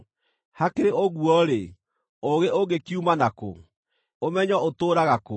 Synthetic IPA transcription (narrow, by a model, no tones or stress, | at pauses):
hakeɾeʔoɣwɔɾe | oɣeʔoɡekiumanako̰ | omɛɲɔotoːɾaɣako